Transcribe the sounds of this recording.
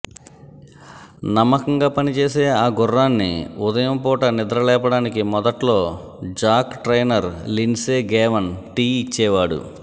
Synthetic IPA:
nɐmːɐkɐŋɡaːpɐnit͡ʃeːse̞ːaːɡʊrːaːnːḭʊd̪ɐjɐmpɔːʈɐnɪd̪ɾɐlɛːp̬ɐɽaːnik̬imɔd̪ɐʈlo̞ː | d͡ʒaːkʈɾejnɐɾlinseːɡɛːʋɐnʈiːit͡ʃːɛːʋaːɽṵ

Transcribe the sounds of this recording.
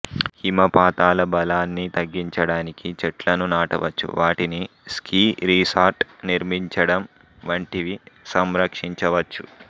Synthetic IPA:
himɐpaːt̪aːlɐbɐlaːnːit̪ɐɡːiɲt͡ʃɐɽaːnikit͡ʃɛʈlɐnunaːʈɐ̰ʋɐ̰t͡ʃːṵʋaːʈini | skiːɾiːsaːɾʈniɾmiɲt͡ʃɐɽɐm | ʋɐɳʈiʋisɐmɾɐkʂiɲt͡ʃɐʋɐt͡ʃːu

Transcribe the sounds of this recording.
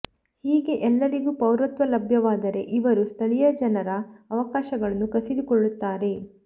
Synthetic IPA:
hiːɡe̞ʔɛlːɐɾiɡuːpɐwɾɐt̪ʋɐlɐbʱjɐʋaːd̪ɐɾe̞̰ʔiʋɐɾust̪ʰɐɭijɐd͡ʒɐnɐɾɐːʋɐkaːʃɐɡɐɭɐnːukɐsid̪ukɔɭːut̪ːaːɾe̞

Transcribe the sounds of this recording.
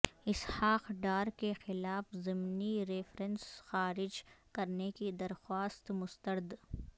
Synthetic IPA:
ɪshaːqɖaːɾkexɪlaːfzɪmniɾeːfɾənsxaːɾɪd͡ʒkɐɾnekid̪ɐɾxwaːst̪mʊst̪əɾd̪

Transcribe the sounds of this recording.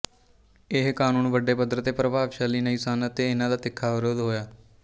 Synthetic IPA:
ɪɦkaːnuːnʋəɖːeːpəd̪əɾt̪eːpɾəbʱaːʋʃaːliːnəiːsaːnət̪eːɪnãːd̪aːt̪ɪkʰːaːʋɪɾoːd̪ɦoːjaː

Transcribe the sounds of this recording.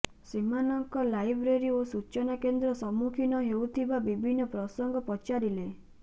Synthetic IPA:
simanɔŋkɔlajbɾeɾiosut͡ʃɔnakend̪ɾɔsɔmukʰinɔɦeut̪ʰibabibʱinːɔpɾɔsɔŋɡɔpɔt͡ʃaɾile

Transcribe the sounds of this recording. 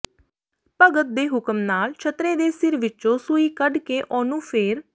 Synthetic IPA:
pəɡət̪̚d̪eːɦʊkəmnaːlt͡ʃʰət̪ɾeːd̪eːsɪɾʋɪʃõːsʊiːkəɖkeːʔɔːnũːpʰeːɾ

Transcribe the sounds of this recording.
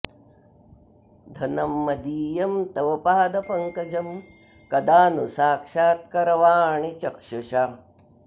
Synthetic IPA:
d̪ʱɐnɐmːɐd̪iːjɐmt̪ɐʋɐpaːd̪ɐpɐŋkɐd͡ʒɐm | kɐd̪aːnusaːkʂaːt̪̚kɐɾɐʋaːɳit͡ʃɐkʂuʃa

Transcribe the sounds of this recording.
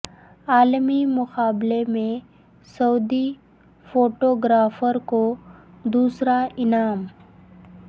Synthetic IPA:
aːlmimʊqaːblemẽ | sɐːd̪i | foːʈoːɡɾaːfəɾko | d̪uːsɾaʔɪnaːm

